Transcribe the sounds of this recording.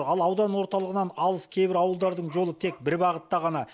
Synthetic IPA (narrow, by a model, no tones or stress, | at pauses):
ɾɑlˠɑwd̪ɑnwo̞ɾt̪ɑlˠəʁənɑnɑlˠəskʲʰe̞jbɪɾɑwəlˠd̪ɑɾd̪əɴʒo̞lˠət̪ʰe̞k̚bɪɾbɑʁət̪ːɑʁɑnɑ